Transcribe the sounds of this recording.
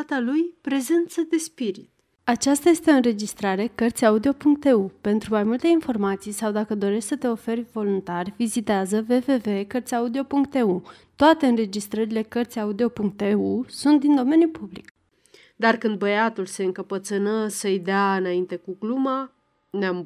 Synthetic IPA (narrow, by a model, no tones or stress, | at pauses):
at̪alujpɾe̞ze̞nt̪səd̪e̞spiɾit̪ | at͡ʃast̪aje̞st̪eɨnɾe̞d͡ʒist̪ɾaɾe̞kərt̪sʲaud̪io̞puŋk̚t̪e̞upe̞nt̪ɾumajmult̪e̞info̞rmat̪sijsawd̪akəd̪o̞ɾe̞ʃʲsət̪e̞o̞fe̞rʲvo̞lunt̪arʲvizit̪eazəve̞ve̞ve̞kərt̪sʲaud̪io̞puŋk̚t̪e̞u | t̪oat̪e̞ɨnre̞d͡ʒist̪ɾəɾile̞kərt̪sʲaud̪io̞puŋk̚t̪eusunt̪̚d̪ind̪o̞me̞njupublḭk | d̪arkɨnd̪̚bəjat̪ulse̞ɨŋkəpət̪sɨnəsəjd̪eaɨnaint̪e̞kukluma | neam